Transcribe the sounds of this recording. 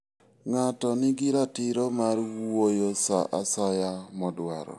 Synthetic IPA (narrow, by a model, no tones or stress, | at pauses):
ŋatɔnɪɡɪɾatɪɾɔmarwojosa̰ʔasajamɔdwa̰ɾɔ̰